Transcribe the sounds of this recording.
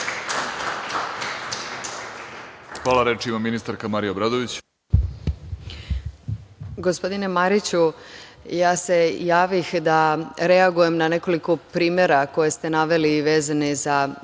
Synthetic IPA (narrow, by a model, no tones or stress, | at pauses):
xʋaːlˠaɾet͡ʃimaminist̪aɾkamaɾijabɾad̪oʋit͡ɕ | ɡospo̞d̪ine̞maɾit͡ɕu | jaːse̞jaːʋixd̪aɾe̞aɡuje̞mnane̞ko̞liko̞pɾiːmje̞ɾako̞je̞st̪e̞naʋe̞liʋe̞ːzaneza